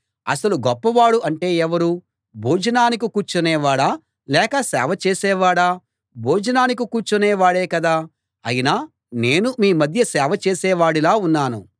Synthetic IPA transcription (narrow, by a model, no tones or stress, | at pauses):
ɐ̰sɐluɡɔpːɐʋaːɽuʔɐɳʈe̞ːɛʋɐɾu | bʱoːd͡ʒɐnaːnikukuːɾt͡ʃunɛːʋaːɽaː | lɛːkɐsɛ̰ːʋɐt͡ʃeːsɛːʋaːɽaː | bʱoːd͡ʒɐnaːnikukuːɾt͡ʃunɛːʋaːɽeːkɐd̪aː | ɐjinaː | ne̞ːnumiːmɐd̪ʱjɐsɛːʋɐt͡ʃeːsɛːʋaːɽilaːunːaːnṵ